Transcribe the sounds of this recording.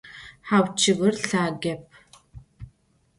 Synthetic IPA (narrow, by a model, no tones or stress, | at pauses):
ħaːwt͡ʃʰɪɣɨrɬaːɡɐp̚ʰ